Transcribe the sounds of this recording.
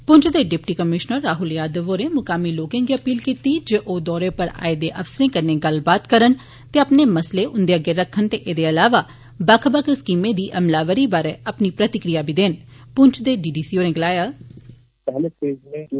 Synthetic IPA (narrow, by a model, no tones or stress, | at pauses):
pʊɲt͡ʃd̪eːɖɪp̚ʈiːkəmɪʃnəɾːaːɦʊljaːd̪əʋoːɾẽːmʊkaːmiːloːkẽːŋɡiːəpiːlkiːt̪iːd͡ʒeʔoːd̪ɔːɾeːpəɾa̰ːed̪eːʔəfsəɾẽːkəɾnẽːɡəlbaːt̪kəɾən | t̪eːəpneːməsleːʔʊnd̪eːəɡeːɾəkʰːənt̪eːʔeːd̪eːəlaːʋaː | bəkʰbəkʰskiːmẽːd̪iːʔəmlaːʋəɾiːbaːɾeːəpniːpɾət̪ɪkɾijaːbʱiːd̪eːnpʊɲt͡ʃʰd̪eːɖiːɖiːsiːoːɾẽɡəlaːjaː | pɛɦleseːd͡ʒe